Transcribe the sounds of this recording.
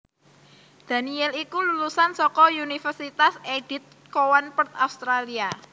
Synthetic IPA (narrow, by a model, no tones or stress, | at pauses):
d̪̥ä̤niɛlikululusansɔkɔunifərsit̪aseɖ̥i̤t̪̚ | kowanpərt̪aust̪ɾalia